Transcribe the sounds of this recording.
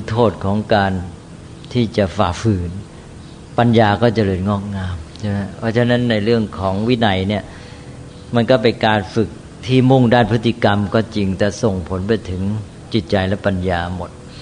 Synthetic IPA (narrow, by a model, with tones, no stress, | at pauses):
u˦˥t̪ʰoː˥˩t̪̚kʰɔː˩˦ŋkaː˧n | t̪ʰiː˥˩t͡ɕa˨˩faː˨˩k̚fɯː˨˩n | pa˧njaː˧kɔː˥˩t͡ɕa˨˩lɤː˧nŋɔː˥˩k̚ŋaː˧mt͡ɕʰa˥˧˩ma˦˥˩pʰɔː˦˥˩t͡ɕʰa˧˥˩na˦˥nːa˧jɾɯ˥˩əŋkʰɔː˩˦ŋwi˦˥na˨˩jni˥˩ɐ | ma˧nkɔː˥˩p̬e˧nkaː˧nfɯ˨˩k̚ | t̪ʰiː˥˩mu˥˩ŋdaː˥˩npʰɯ˦˥t̪ʰːi˧˨˩ka˧mkɔː˥˩t͡ɕi˧ŋt̪ɛː˨˩so˨˩ŋpʰo˨˩˦np̬a˧jt̪ʰɯ˩˦ŋ | t͡ɕi˨˩t̪̚t͡ɕa˧jlɛ˦˥pa˧njaː˧mo˨˩t̪̚